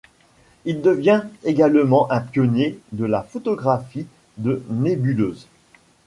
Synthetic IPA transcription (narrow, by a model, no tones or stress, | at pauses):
ild̪əvjɛ̃eɡalmɑ̃ʔɛ̃pjɔnjed̪əlafɔt̪ɔɡʁafi | d̪ənebyløːz